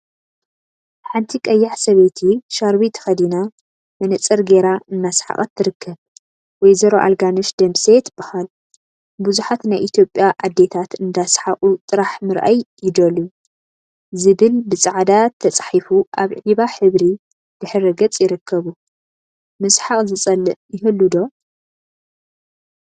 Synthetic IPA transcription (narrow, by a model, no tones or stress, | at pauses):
ħant̪ʰikʼɐjːaʕsɐβet̪ʰiʃaɾβit̪ʰɐ̥xɐd̪ina | mɐnɐt͡sʼɐɾɡe̞ɾaɨnːasħa̰χʼɐt̪ʰːɨɾɨkʰːɐβ | wɔjzɐɾoʔa̰lɡanɨʃd̪ɐmset̪ʰb̥ɨxal | buzuħat̪najʔit̪ʰjo̞pʼjaʔad̪ːe̞t̪ʰat̪ɨnd̪asħaχʼut̪ʼɨɾaħmɨɾʔa̰jːɪd̪ɐlu | zɨβɨlbɨt͡sʼaʕd̪at̪ʰːɐt͡sʼħifuʔaβʕiβaħɨβɾi | d̪̥ɨħɨɾɨɡɐt͡sʼjɪɾɨkʰːɐβu | mɨsħaχʼzɨt͡sʼɐlɨʔjɪɦɨlːud̪o̞